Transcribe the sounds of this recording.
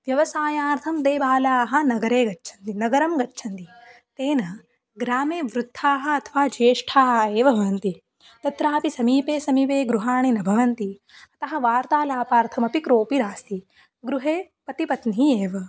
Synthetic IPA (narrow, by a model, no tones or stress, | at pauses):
ʋjɐʋɐsaːjaːɾt̪ʰɐmd̪eːbaːlaːɦɐ̆nɐɡɐɾeːɡɐtːʃʰɐnt̪inɐɡɐɾɐmɡɐtːʃʰɐnt̪i | t̪eːnɐ | ɡɾaːmeːʋɾut̪ʰːaːɦɐ̆ɐt̪ʰɐʋaːd͡ʒeːʂʈʰaːɦɐeːʋɐbʱɐʋɐnt̪i | t̪ɐt̪ɾaːpisɐmiːpeːsɐmiʋeːɡɾuɦaːɳinɐbʱɐʋɐnt̪i | ɐt̪ɐɦɐ̆ʋaːɾt̪aːlaːpaːɾt̪ʰɐmɐpikɾoːpiɾaːst̪i | ɡɾuɦeː | pɐt̪ipɐt̪nieːʋɐ